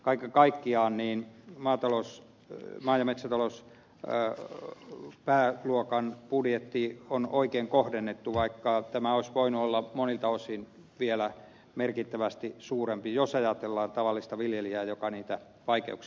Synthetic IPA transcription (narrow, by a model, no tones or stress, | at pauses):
kɑikːɑkɑikːiɑːnniːnmɑːt̪ɑlous | mɑːjɑmet̪sæt̪ɑlos | pæːluokɑnpudjet̪ːionoikeːŋkohdenːet̪ːuʋɑikːɑt̪æmæoisʋoinuolːɑmonilt̪ɑosin | ʋielæ | merkit̪ːæʋæst̪isuːrempijosɑjɑt̪elːɑːnt̪ɑʋɑlːist̪ɑʋiljeliæːjokɑniːt̪æ | ʋɑikḛuks